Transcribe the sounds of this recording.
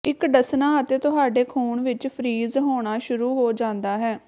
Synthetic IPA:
ɪkɖəsnãːət̪eːt̪ʊɦaːɖeːkʰuːɳʋɪt͡ʃpʰɾiːzɦoːɽ̃aːʃʊɾuːɦoːd͡ʒãːnd̪aːɦɛː

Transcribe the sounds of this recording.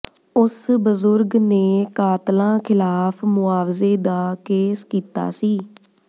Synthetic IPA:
ʊsbəzʊɾɡneːkaːt̪lãːkʰɪlaːpʰmʊaːʋzeːd̪aːkeːskiːt̪a̰ːsiː

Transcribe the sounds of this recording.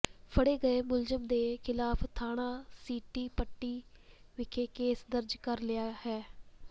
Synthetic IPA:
pʰəɽeːɡəeːmʊlzəmd̪eːkʰɪlaːpʰt̪ʰaːɽ̃ãːsiːʈiːpəʈːiːʋɪkʰeːkeːsd̪əɾd͡ʒkəɾlɪjaːhɛː

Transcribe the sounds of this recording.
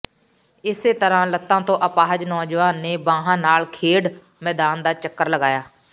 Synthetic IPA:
ɪseːt̪əɾãːlət̪ːãːt̪õːʔəpaːɦəd͡ʒnɔːd͡ʒʋaːnːeːbãːɦãːnaːlkʰeːɽ | mɛːd̪aːnd̪aːt͡ʃəkːəɾləɡaːjaː

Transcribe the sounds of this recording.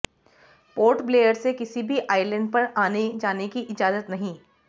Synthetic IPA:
poːɾʈbleːjəɾsekɪsibʱiʔaːɪlə̃ɳɖ̚pɐɾaːned͡ʒaːnekiʔɪd͡ʒaːzət̪nɐɦĩː

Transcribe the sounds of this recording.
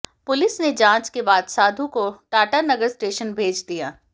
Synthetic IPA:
pʊlɪsned͡ʒãːt͡ʃkebaːd̪saːd̪ʱũkoʈaːʈənɐɡəɾsʈeːʃənbʱeːd͡ʒd̪ijaː

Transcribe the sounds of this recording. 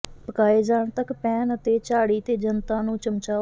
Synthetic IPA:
pəkaːeːd͡ʒaːɳt̪əkpɛːnət̪eːt͡ʃaːɽiːt̪eːd͡ʒənt̪ãːnũːt͡ʃəmt͡ʃaː

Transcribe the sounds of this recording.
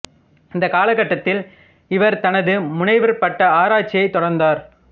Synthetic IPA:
ɪnd̪ɐkaːlɐkɐʈːɐt̪ːɪl | ɪʋɐɾt̪ɐnɐðɯmʊnɐɪʋɐɾpɐʈːɐaːɾaːt͡ʃːɪjɐɪt̪ːɔɽɐɾnd̪aːɾ

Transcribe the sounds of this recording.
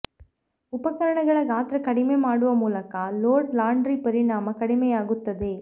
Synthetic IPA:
ʊpɐkɐɾɐɳɐɣɐɭɐɡaːt̪ɪɾɐkɐɽɪmemaːɽɯʋɐmuːlɐkːaːloːɾɖlaːɳɖɾipɐɾɪɳaːmɐkɐɽɪmɐjaːɣɯt̪ːɐðɯ

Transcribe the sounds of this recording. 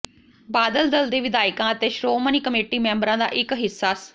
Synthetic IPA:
baːd̪əld̪əld̪eːʋɪd̪aːɪkãːət̪eːʃɾoːməniːkəmeːʈiːmɛ̃ːmbəɾãːd̪a̰ːʔɪkɦɪsːaːs

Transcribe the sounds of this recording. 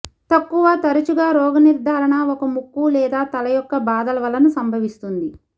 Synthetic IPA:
t̪ɐkːuʋɐt̪ɐɾɐt͡ʃuɡaːɾɔːɡɐniɾd̪ʱaːɾɐɳɐɔkɐmukːulɛːd̪aːt̪ɐlɐjɔkːɐbaːd̪ɐlɐʋɐlɐnusɐmbʱɐʋist̪und̪i

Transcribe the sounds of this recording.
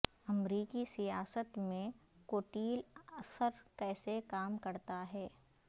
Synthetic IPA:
ɐmɾiːkisijaːsət̪mẽkoːʈiːlɐsəɾkɛːsekaːmkɐɾt̪aɦɛː

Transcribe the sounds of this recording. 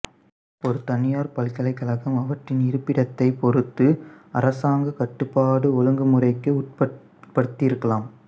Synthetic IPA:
ɔɾɯt̪ɐnɪjaːɾpɐlkɐlɐɪkːɐlɐɣɐmɐʋɐʈrɪnɪɾɯpːɪɽɐt̪ːɐɪpɔɾɯt̪ːɯɐ̰ɾɐsaːŋɡɐkɐʈːɯpːaːɽɯɔlɯŋɡɯmɯrɐɪkːɯʊʈ̚pɐ | pɐɽɯt̪ːɪjɪɾɯkːɐlaːm

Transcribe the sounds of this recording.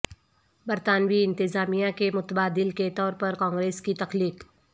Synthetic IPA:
bɐɾt̪aːnwiɪ̃nt̪ɪzaːmijãkemʊt̪baːd̪ɪlket̪ɔːɾpɐɾkãːŋɡɾeːskit̪ɐxliːq

